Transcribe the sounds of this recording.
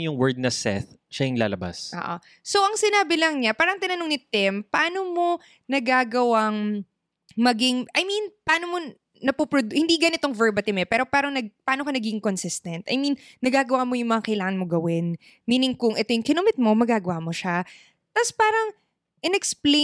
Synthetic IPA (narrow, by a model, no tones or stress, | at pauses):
jʊŋwɛɹd̪̚nɐsɛ̰θʃaɪŋla̰ːlɐba̰sʔo̰ːʔo̰ | so̞ʔɐŋsɪnaːbɪlɐŋɲapaːɾɐŋt̪ɪnɐnoŋnɪt̪ːɪmpɐʔaːnomo̞ | nɐɡaːɡɐwaŋ | mɐɡɪŋʔɐjminpaːno̞mo | nɐpupɾod̪hɪnd̪iɡɐnɪt̪oŋvɛɹbɐt̪ɪmɛpɛːɾo̞paːɾɐŋnɐɡ̚pɐʔaːnokɐnɐɡiɡɪŋkonsɪst̪ɐnt̪ʔɐjminːɐɡaːɡɐwaːmo̞jʊŋmɐŋakɐjlaːŋɐnmo̞ɡɐwɪn | miːnɪŋkʊŋʔɛt̪ojʊŋkɪnomɪt̪̚mo̞mɐɡaːɡɐwamo̞ʃa | t̪aspaːɾɐŋ | ʔɪnɛksple